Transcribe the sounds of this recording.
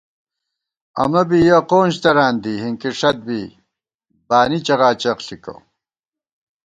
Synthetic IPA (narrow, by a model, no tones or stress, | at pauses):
ɐ̰mɐbijɐqoːnɕt̪ɐɾaːnd̪iɦiŋkiʂɐt̪̚bi | baːnit͡ɕɐʁaːt͡ɕɐqɬiko̰